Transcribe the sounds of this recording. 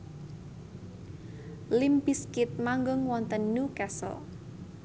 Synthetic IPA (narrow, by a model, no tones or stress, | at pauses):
limpiskɪt̪̚maŋɡʊŋwɔnt̪ənːukasə̰l